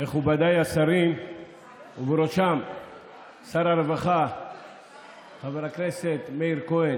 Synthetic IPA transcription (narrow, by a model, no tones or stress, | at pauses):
eχubad̪ajasaɾin | uveɾoʃam | saɾaɾevaχa | χaveɾakneset̪meiɾkoen